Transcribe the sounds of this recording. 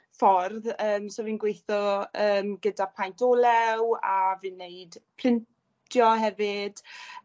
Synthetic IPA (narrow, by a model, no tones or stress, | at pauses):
fɔrðəːmsoːvinɡwejθɔəːmɡədapʰajntʰolˠɛwavɨnːeɨd̥pʰl̥ɪn | tʰjɔɦɛvɪd̥